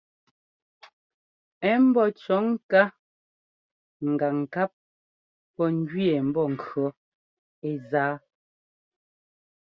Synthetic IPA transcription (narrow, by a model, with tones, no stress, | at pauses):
ɛ˦m̩˦bɔ˦t͡ʃɔ˨˦ŋ˦ka˦ | ŋ̩˨ɡa˨ŋ̩˨ka˦p̚ | pɔ˦ŋ˦ɡɥi˦ɛ˨m̩˦bɔ˦˨ŋ̩˨kɰɔ˨˦ | e˦zaː˦